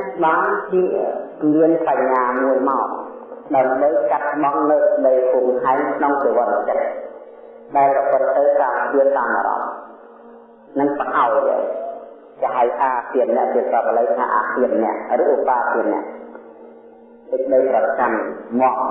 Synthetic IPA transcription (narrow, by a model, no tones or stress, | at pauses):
ɓaːnt͡ɕiə | miənpaɲːaːmuəjmaɔ | ɗaəmɓəjkat̪̚ɓɑŋnɨwsɨk̚ɗəjpuːŋhaɛŋkʰnoŋt̪eʋŏət̪t͡ɕət̚ | ɗaɛlprɔpɨt̪̚ːɨwkaːptiənt̪aːmʔa̰ɾɑ̰m | nɨŋpəhaɔjɗə̰ | t͡ɕɛɦaɛjʔaːp̪iənnɛ̆əʔt͡ɕiəsɔp̚ələjt̪ʰa̰ːʔaːk̪iətnɛ̆əʔrɨːʔupaːp̪iənnɛ̆əʔ | sɨk̚ɗəjprɑt͡ɕammŏəm̚